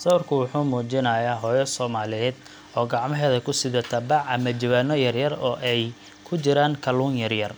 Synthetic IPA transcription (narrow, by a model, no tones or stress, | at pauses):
sɐwrkʰʊwʊħuːmuːt͡ʃɪnɐːjaːɦɔːjɔsɔːmaːlɪjɛːd̪ | ɔːɡɑʕmɐɦɛːðɐkʰʊsɪðɐt̪ʰɐbɑʕɐmɐd͡ʒɐwaːnɔjɐrjɐrɔːʔɛj | kʰʊt͡ʃɪɾaːŋkʰɐluːŋjɐrjɐr